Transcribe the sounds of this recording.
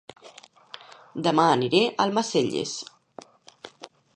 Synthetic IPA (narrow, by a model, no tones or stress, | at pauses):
d̪əmaːniɾeʔəlˠmaseʎḛs